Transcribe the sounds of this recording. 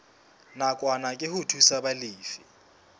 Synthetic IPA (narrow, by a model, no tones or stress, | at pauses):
nakʼwanakʼɪhʊtʰusabaliːfi